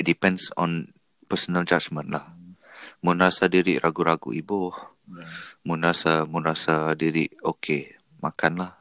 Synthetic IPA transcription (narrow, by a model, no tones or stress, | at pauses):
dipɛ̃nsɔ̰̃n | pəsənəld͡ʒat͡ʃmə̃nlah | munasadiɾiʔɾʔaɡuɾaɡṵibʊh | munasamunasadiɾḭʔokʰe | makʰanlah